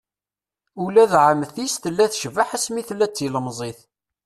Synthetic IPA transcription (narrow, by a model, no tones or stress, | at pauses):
ulæðʕəmθisθəlːæθəʃvaħəsmiθlːæt͡sːiləmzˤeθ